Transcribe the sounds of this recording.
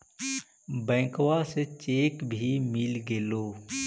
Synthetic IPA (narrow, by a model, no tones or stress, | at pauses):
bɛ̃ːkwaset͡ʃeːkbʱimɪlɡeːloː